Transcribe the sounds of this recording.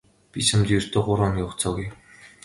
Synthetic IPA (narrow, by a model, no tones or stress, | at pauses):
pʲit͡ɕʰamt̪ːɵr̥ʲt̪ʰoːɢʊɾaːnjʊːχt͡sɔːɣuj